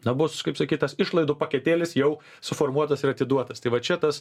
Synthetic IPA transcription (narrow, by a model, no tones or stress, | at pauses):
nɐbʊskɐɪpsɐkʲiːt̪ɐsɪʃlˠɐɪd̪ʊpɐkʲɛt̪ʲeːlʲɪsjɛʊ | sʊfoːrmuɔt̪ɐsɪɾɐt̪ʲɪd̪uɔt̪ɐst̪ɐɪʋɐt͡ʃʲɛt̪ɐs